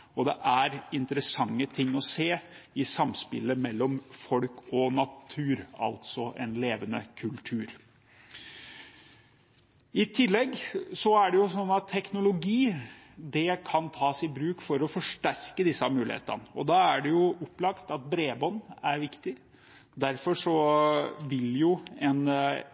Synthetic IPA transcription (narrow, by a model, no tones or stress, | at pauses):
ɔd̪ɛʔæɾɪnt̪ɾəsɑŋːət̪ʰɪŋːɔseːɪsɑmspɪ̰lːəmɛlːɔmfɔlkɔnɑt̪ʰʉːɾɑ̰lt̪sɔʔɛ̰nleːʋənə̰kʰʉlt̪ʰʉːɾ | ɪt̪ʰɪlːɛɡːsɔæɖɛjʊsɔnːɑt̪ʰːɛknʊlʊɡiː | d̪ɛkʰɑnt̪ʰɑːsɪbɾʉːkfɔɾɔfɔʂʈæɾkəd̪ɪsəɑmʉːlɪ̰hḛːt̪ə̰nəɔd̪ɑæɖɛjʊɔpːlɑkt̪ɑt̪̚bɾeːbɔnːæɾʋɪkt̪ɪ | d̪æɾfɔʂɔ | ʋɪljʊɛn